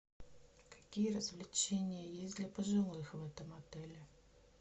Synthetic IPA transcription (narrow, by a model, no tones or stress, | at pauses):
kḁkʲijərəzvlʲɪt͡ɕenʲɪjəjesʲd̪lʲɐpəʐɨlˠɨxvɛt̪əmɐt̪ɛlʲɪ